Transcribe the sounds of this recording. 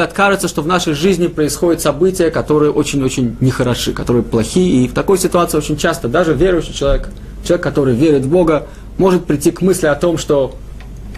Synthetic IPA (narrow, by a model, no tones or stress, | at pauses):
ɐt̪kaʐɨt̪səʂt̪o̞vnaʂəjʐɨzʲnʲɪpɾəɪsxo̞dʲɪt̪sɐbɨtʲɪjəkɐt̪o̞ɾɨjəʔo̞t͡ɕɪnʲot͡ɕɪnʲnʲɪxəɾɐʂɨkɐt̪o̞ɾɨjəplˠɐxʲijəift̪ɐko̞jsʲɪt̪ʊat̪sɨɪot͡ɕɪnʲt͡ɕast̪əd̪aʐɨvʲeɾʊjɕːɪt͡ɕɪlˠɐvʲek | t͡ɕʲɪlˠvʲekːɐt̪o̞ɾɨjvʲeɾʲɪt̪vbo̞ɡə | mo̞ʐɨt̪̚pɾʲɪtʲːikmɨsʲlʲɪɐt̪o̞mʂt̪o̞